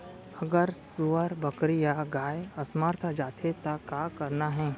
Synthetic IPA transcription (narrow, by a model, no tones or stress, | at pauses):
ɐɡəɾsʊʋəɾbəkɾijaɡaːjɐsməɾt̪ʰəd͡ʒaːt̪ʰet̪akaːkɐɾnaɦɛ̃ː